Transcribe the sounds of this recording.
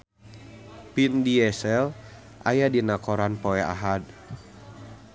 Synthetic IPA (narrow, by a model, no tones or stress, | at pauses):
pindiɛsɛl | ʔajadinakɔɾanpɔɛa̰ɦad̚